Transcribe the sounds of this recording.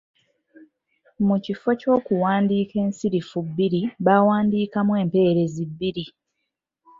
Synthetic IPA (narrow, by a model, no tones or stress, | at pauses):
mucifo̞co̞ːkuwaːndiːke̞ːnsiɾifubːiɾiβawaːndiːkamwe̞ːmpe̞ːɾe̞zibːiɾi